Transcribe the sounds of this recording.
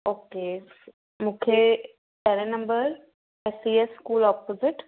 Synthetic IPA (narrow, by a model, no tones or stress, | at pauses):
oːkeː | mʊkʰje | tɛːɾenəmbəɾ | ɛsieskuːlɔːpoːzɪʈ